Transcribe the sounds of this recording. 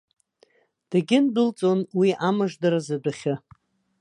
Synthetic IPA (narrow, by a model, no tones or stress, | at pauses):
d̥aɡʲɪndɨlt͡sʼonwiʔamaʐdaɾazadʷaχʲa